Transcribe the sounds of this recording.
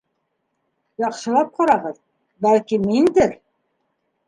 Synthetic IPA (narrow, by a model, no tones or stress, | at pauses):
jɑqʃɤ̆lˠɑp̚qɑɾɑʁɤð | bælkimind̪ɘɾ